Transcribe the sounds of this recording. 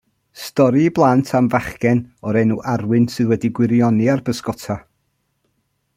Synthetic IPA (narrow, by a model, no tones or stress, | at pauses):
stɔɾiblˠantʰamvaχɡɛnɔɾɛnuʔarwɨnsɨðwɛdiɡwɪɾjɔniarbəskɔtʰa